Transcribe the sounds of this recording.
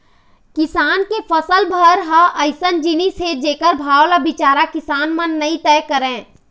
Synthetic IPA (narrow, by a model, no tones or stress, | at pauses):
kɪsaːnkepʰəsəlbʱəɾɦaʔəɪsənd͡ʒinised͡ʒeːkəɾbʱaːwlabɪt͡ʃaːɾakɪsaːnmənːəĩt̪ɛːkəɾẽː